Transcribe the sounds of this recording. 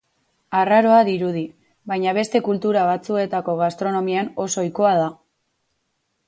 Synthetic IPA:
araɾo̞aðiɾuð̞i | bajɲaβe̞st̪e̞kult̪uɾaβ̞at͡sue̞t̪ako̞ɣast̪ɾo̞no̞miano̞sojko̞að̞a

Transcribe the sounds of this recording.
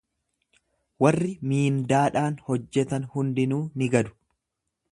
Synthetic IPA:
wɐrːɪmiːnd̪aːᶑaːnhɔd͡ʒːɛt̪ɐnhʊnd̪ɪnuːnɪɡɐd̪ʊ̥

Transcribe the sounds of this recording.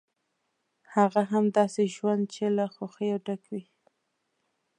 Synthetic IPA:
haɣaɦamd̪ɑseʒwand̪̚t͡ʃelaxoxəjawɖakwi

